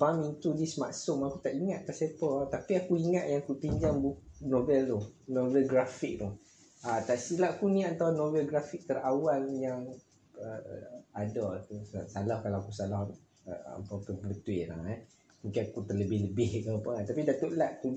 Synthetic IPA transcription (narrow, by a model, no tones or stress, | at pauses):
pamint̪udismaʔsʊmakut̪aʔiŋat̪̚k̪aʔsapət̪apiakuiŋaʔ̪̚jaŋakup̪iɲd͡ʒaŋbuknobɛlt̪uhnovɛlɡɾafik̚t̪u | at̪aʔsilaʔkunĩant̪awnovɛlɡɾafik̚t̪əɾawaljaŋ | əadɔt̪usalahkalaakusalah | ə̰a̰papəbəbət̪uɪʔla̰ha | mũŋkɪnakut̪ərləbɪhləbɪhkəpəat̪apidat̪oʔlaʔku